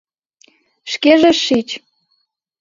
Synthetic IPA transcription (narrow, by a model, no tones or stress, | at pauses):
ʃkeʒeʃit͡ɕ